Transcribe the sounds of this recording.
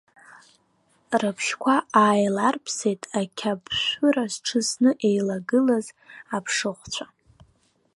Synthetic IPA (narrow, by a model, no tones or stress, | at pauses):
rɨpʰʃkʷʰaaːjlarpʰse̞jtʼakʲʰabʃʷʊɾazʈ͡ʂʰɨsnɨʔe̞jlaɡɨlaz | apʰʂɨχʷt͡ɕʷʰa